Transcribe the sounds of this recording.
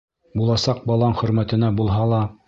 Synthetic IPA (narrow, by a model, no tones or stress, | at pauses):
bulˠɑsɑq̚bɑlˠɑɴχɵ̆ɾmæt̪ɘ̆næbulˠɦɑlˠɑ